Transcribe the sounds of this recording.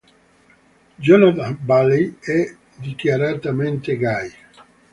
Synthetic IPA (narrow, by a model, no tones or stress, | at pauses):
d͡ʒɔnat̪abaliɛ | d̪ikjaɾat̪ament̪eɡaj